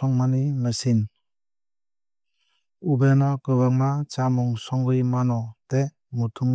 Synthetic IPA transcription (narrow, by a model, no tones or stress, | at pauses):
ɔŋmanimɯsin | ubenɔkɯβaŋmat͡ʃamuŋsɔŋɡɯjmanɔte | mutʰuŋ